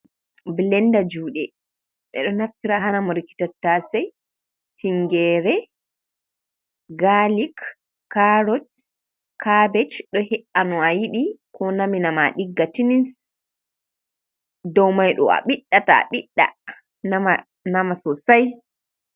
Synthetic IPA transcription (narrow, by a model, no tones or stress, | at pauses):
blɛndad͡ʒuːɗɛ | ɓɛ̰ɗɔnaftiɾaɦanamɔɾikːi̥tatːasɛj | tiŋɡɛɾɛ | ɡalik | kːaɾɔt | kabɛt͡ʃɗɔhɛʔanɔajiɗikʰɔnaminamaɗiɡːatinins | dɔwmajɗɔ̰a̰ɓiɗːata̰ɓiɗːa̰ | nam | namasɔsaj